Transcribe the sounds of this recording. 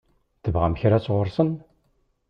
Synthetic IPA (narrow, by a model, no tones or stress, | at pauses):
t̪əvʁamçɾæt͡sːʁʊɾsən